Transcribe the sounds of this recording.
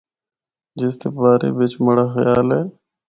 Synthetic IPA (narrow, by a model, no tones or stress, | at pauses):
d͡ʒɪst̪epaːɾḛːbet͡ʃməɽaːxjaːlɦeː